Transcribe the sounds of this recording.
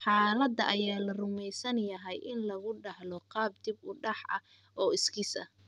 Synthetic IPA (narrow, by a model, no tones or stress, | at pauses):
ħɑːlɐd̪ɐʔɐjaːlɐrʊmɛjsɐnjɐɦɛjʔɪnlɐɣʊɖɑhlɔqɑːb̚d̪ɪbʊɖɑħʔɐ̰ | ʔɔːɪskɪsɐ̰